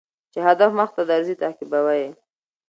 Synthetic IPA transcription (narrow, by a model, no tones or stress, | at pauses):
t͡ʃehad̪afməxt̪ad̪aɾzit̪akɪbawaje